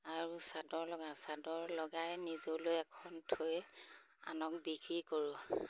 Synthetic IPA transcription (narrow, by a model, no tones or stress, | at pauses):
aɹusadɔɹlɔɡasadɔɹlɔɡajnizolojɛkʰɔntʰoj | a̰nɔkbikɹikoɹu